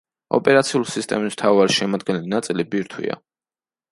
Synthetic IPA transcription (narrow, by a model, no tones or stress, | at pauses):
ɔ̰pʼɛɾat̪sʰiulisist̪ʼɛmism̥t̪ʰaɔvaɾiʃɛmɔd̪̚ɡɛnɛlinat̪sʼilibiɾt̪ʰwḭa̰